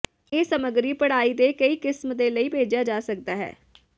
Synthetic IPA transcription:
eːsəməɡɾiːpəɽaːiːd̪eːkəiːkɪsmd̪eːləiːbʱeːd͡ʒjaːd͡ʒaːsək̚d̪aːɦɛ̰ː

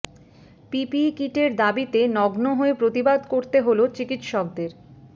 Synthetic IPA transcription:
pipikiʈeɾd̪abit̪enɔɡnoɦoepɾot̪ibad̪koɾt̪eɦolot͡ɕikit̪ʃɔk̚d̪eɾ

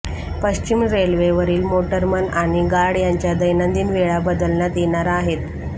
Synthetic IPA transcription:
pəɕt͡ɕimɾelʋeʋəɾiːlmoʈəɾmənaɽ̃iɡaɽjaɲt͡ɕjad̪əjnənd̪iːnʋeɭabəd̪əlɳjat̪jeɳaɾaːɦet̪

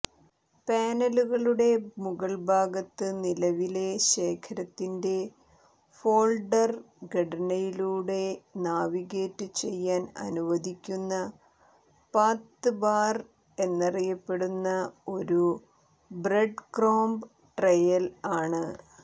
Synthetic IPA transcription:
paːnɐluɣɐɭuɽe̞muɣɐɭbʱaːɡɐt̪ːɨnilɐʋile̞ɕe̞ːkʰɐɾɐt̪ːinde̞ | fo̞ːɭɖɐr | ɡɐɽɐnɐjiluːɽe̞naːʋiɣe̞ːtːɨt͡ɕe̞jːaːnɐ̰nuʋɐd̪ikʲːunːɐ | paːt̪ːɨbaːr | e̞nːɐrijɐpːe̞ɽunːɐo̞ɾu | breɖkroːmb | ʈrɐjɐlaːɳɨ

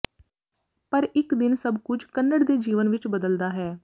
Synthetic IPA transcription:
pəɾɪkd̪ɪnsəbkʊd͡ʒkənːəɽd̪eːd͡ʒiːʋənʋɪt͡ʃbəd̪əld̪aːɦɛː

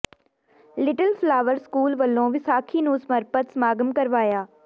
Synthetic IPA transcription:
lɪʈəlflaːʋəɾskuːlʋəlːõːʋɪsaːkʰiːnuːsmɐɾpət̪smaːɡəmkɐɾʋaːjaː

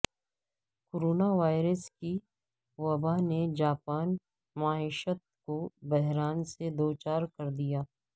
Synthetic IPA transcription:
koːɾoːnaʋaːɪɾəski | ʋɐbaned͡ʒaːpaːn | maːɪːʃət̪̚kobɛɦɾaːnsed̪oːt͡ʃaːɾkɐɾd̪ijaː

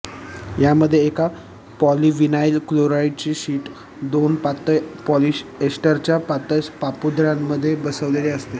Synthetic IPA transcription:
jaməd̪ʱːjeːka | pɔliʋinailkloɾaiɖ̚t͡ɕiːɕiːʈ | d̪onpat̪əpɔliɕesʈəɾt͡ɕjapat̪əspapud̪ɾamːəd̪ʱːjebəsəʋleleəst̪e

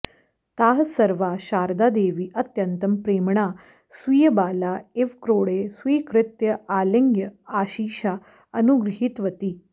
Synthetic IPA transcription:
t̪aːɦsɐɾʋaɕaːɾd̪ad̪eːʋiːʔɐt̪jɐnt̪ɐmpɾeːmɳa | sʋiːjəbaːlaeʋkɾoːɽesʋiːkɾɪt̪jəaːlɐŋɡjəaːɕiːɕa | ɐnuɡɾɐɦit̪ʋət̪iː

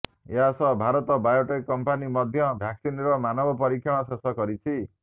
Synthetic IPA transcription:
eɦasɔbʱaɾɔt̪ɔbajoʈekkɔmpanimɔd̪ʱjɔbʱjaksinɾɔmanɔbʱɔpɔɾikʰjɔɽ̃ɔsesɔkɔɾit͡ʃʰi

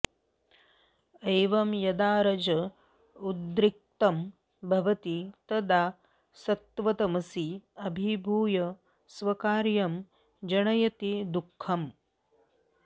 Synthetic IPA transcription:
ɐjʋɐmjɐd̪aːɾɐd͡ʒɐ | ud̪ɾik̚t̪ɐm | bʱɐʋɐt̪it̪ɐd̪aː | sɐt̪ʋɐt̪ɐmɐsiɐbʱibʱuːjɐ | sʋɐkaːɾjɐm | d͡ʒɐɳɐjɐt̪id̪ukʰːɐm

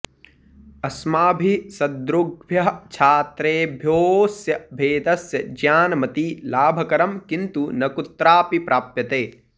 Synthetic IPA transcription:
ɐsmaːbʱisɐd̪ɾʊɡbʱjɐɦt͡ʃʰaːt̪ɾeːbʱjoːsjɐbʱeːd̪ɐsjɐd͡ʒjaːnmɐt̪ilaːbʱɐkɐɾɐmkĩnt̪unɐkut̪ɾaːpipɾʔaːpjɐt̪eː

